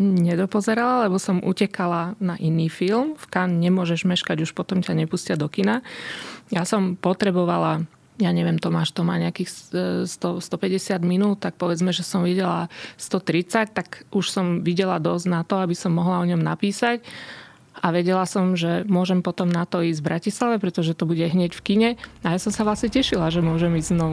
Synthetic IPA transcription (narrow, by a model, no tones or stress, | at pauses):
ɲɛd̪ɔpɔzɛɾalalɛbɔsɔmʔṵcɛkalanaʔiniːfilmfkanɲɛmʊɔʒɛʒmɛʃkaɟuʃpɔt̪ɔmcaɲɛpuːscɪad̪ɔkina | jasɔmpɔt̪ɾɛbɔʋala | jaːɲɛʋɪɛmt̪ɔmaːʃt̪ɔmaːɲɛakiːxsst̪ɔst̪ɔpɛɟɛsɪad̪minuːlt̪ak̚pɔʋɛd͡zmɛʒɛsɔmʋiɟɛlast̪ɔt̪ɾit͡sac̚t̪akʔuʃsɔmʋiɟɛlad̪ɔzɟnat̪ɔabisɔmːɔɦlaɔɲɔmnapiːsac | aʋɛɟɛlasɔmʒɛmʊɔʒɛmpɔt̪ɔmnat̪ɔiːzɟvbɾʔacislaʋɛpɾɛt̪ɔʒɛt̪ɔbuɟɛɦɲɛɟfkiɲɛajasɔmsaʋlasɲɛcɛʃilaʒɛmʊɔʒɛmiːzznɔʋu